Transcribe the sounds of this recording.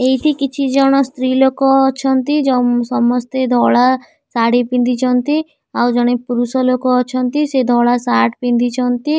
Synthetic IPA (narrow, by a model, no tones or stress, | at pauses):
eɦit̪ʰikit͡ʃʰid͡ʒɔɽ̃ɔst̪ɾilokɔːt͡ʃʰɔnt̪id͡ʒɔsɔmɔst̪ed̪ʱɔɭa | saɽipind̪it͡ʃʰɔnt̪i | awd͡ʒɔɽ̃epuɾusɔlokɔːt͡ʃʰɔnt̪ised̪ʱɔɭasaʈpind̪it͡ʃʰɔnt̪i